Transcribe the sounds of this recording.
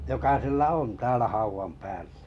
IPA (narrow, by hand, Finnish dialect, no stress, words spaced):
jokɑ silːæ on tæːlæ hɑuʋɑm pæːlːæ